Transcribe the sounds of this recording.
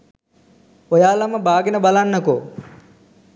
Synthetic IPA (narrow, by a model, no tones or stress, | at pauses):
ojaːlaməbaːɡenəbalanːəko